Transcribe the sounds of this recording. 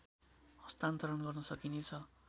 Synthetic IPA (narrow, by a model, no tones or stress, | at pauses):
hʌst̪ant̪oɾʌnɡʌrnʌsʌkinet͡sʰʌ